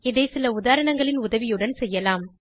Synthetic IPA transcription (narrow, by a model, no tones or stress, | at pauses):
ɪðɐɪsɪlɐʊðaːɾɐɳɐŋɡɐɭɪnʊðɐʋɪjɯɽɐnsɛjːɐlaːm